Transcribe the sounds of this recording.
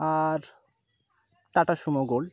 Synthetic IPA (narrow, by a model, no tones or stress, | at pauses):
aɾ | ʈaʈaʃumoɡol